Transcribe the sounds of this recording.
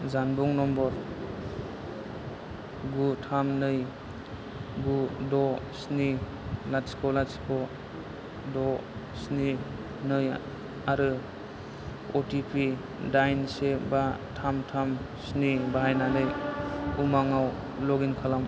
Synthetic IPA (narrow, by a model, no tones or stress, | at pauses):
zanbuŋnɔmbɔɾ | ɡutʰamnɯj | ɡudɔsni | latskʰɔlaskʰɔ | dɔ | sni | nɯj | aɾɯ | otipʰi | dajnsebatʰamtʰam | snibaɦajnanɯjumaŋaw | lɔɡinkʰalam